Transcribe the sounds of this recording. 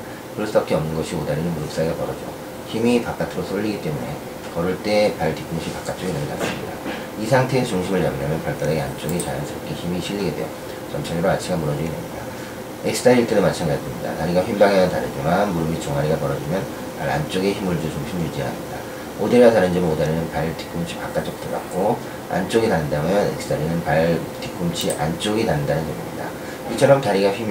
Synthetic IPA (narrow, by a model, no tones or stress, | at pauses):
kɯɾʌs͈ɯbap̚k͈eʌmnɯnɡʌɕʰiodaɾinɯnmuɾɯp̚s͈aiɡapʌɾʌd͡ʑo̰ | çimipak͈atʰɯɾosʰoʎːiɡit͈e̞mune̞ | kʌɾuɭt͈e̞maɭtik͈ʰuŋʌɕʰipak͈at͈ʰɯinɯɡeta̰ɾs͈imɲida̰ | isʰaŋtʰe̞ːt͡ɕuŋɕʰimɯɭt͡ɕamiɲamjʌnpaɭk͈adeɡeant͡ɕ͈oɡet͡ɕajansʰɯɾʌk͈ʰeçimiɕʰiʎːiɡe̞dwe̞̰jo̰ | t͡ɕʌmt͡ɕʰaɲiɾoat͡ɕʰiɡamuɾʌd͡ʑiɡidemɲida | eksɯ̥tʰaiɭt͈edomat͡ɕʰanɡad͡ʑimɲida̰taɾiɡaɸimbaŋenantaɾɯd͡ʑimanmuɾɯmit͡ɕʌŋaɾiɡapʌɾʌd͡ʑimjʌn | pa̰ɾa̰nt͡ɕ͈oɡeçimɯɭd͡ʑuot͡ɕuŋɕʰimuɭd͡ʑiɦa̰mɲida̰ | odaɾiɡataɾɯnd͡ʑimodaɾinɯnpaɭti̥k͈umt͡ɕʰi̥pak͈at͡ɕ͈ʌk̚t͈ɯɡa̰k̚k͈o | a̰nt͡ɕ͈oɡitanɯndamjʌne̞̰k̚s͈ʰɯ̥tʰaɾinɯnpaɭ | ti̥k͈umt͡ɕʰiʔa̰nt͡ɕ͈oɡitanɯndanɯnd͡ʑʌɡimɲida̰ | it͡ɕʰʌɾʌmtaɾiɡaɸim